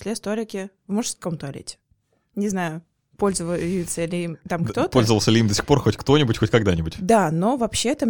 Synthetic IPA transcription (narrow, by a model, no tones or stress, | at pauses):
sʲlʲest̪olʲɪkʲɪvmoʐskomt̪ɐlʲɪ̰tʲ | nʲɪznajʊ | po̞lʲzəvəjɪt̪sʲəlʲɪimt̪amkt̪opolʲzəvəlˠsʲəlʲɪimd̪əsʲɪ̥xporxotʲkt̪o̞nʲɪbʊtʲxo̞tʲkaɡd̪anʲɪbʊtʲd̪anovɐpɕːet̪ə